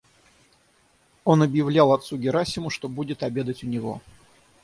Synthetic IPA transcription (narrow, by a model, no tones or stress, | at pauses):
o̞nɐbjɪvlʲalˠɐt̪suɡʲɪɾasʲɪmʊʂt̪o̞budʲɪt̪ɐbʲe̞d̪ətʲʊnʲɪvo̞̰